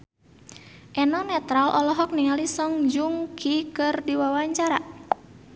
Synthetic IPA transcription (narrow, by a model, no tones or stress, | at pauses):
ʔɛnɔnɛt̪ɾalʔɔlɔɦɔk̚niŋalisɔŋd͡ʒuŋkʰikɨrdiwawaɲt͡ʃaɾa